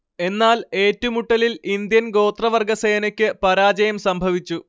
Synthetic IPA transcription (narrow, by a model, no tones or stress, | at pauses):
e̞nːaːle̞ːtːumuʈːɐlilind̪jɐnɡo̞ːt̪rɐʋɐrɡʱɐse̞ːnɐkʲːɨpɐɾaːd͡ʑɐjɐmsɐmbʱɐʋit͡ɕːu